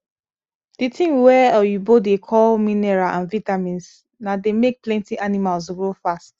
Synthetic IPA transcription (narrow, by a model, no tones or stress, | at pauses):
d̥itʰĩŋwɛɔjubodekʰɔlminɛɹaʔãnvitamĩns | nademek̚plɛ̃ntiʔanimals̬ɡɹofast